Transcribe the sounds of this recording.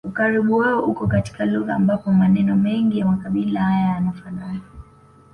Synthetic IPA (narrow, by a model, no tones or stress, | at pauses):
ukaɾiɓuwaɔʔukɔkati̥kaluɣaːmbapɔmanɛnɔmɛŋɡijamakaɓilahajaanafanaa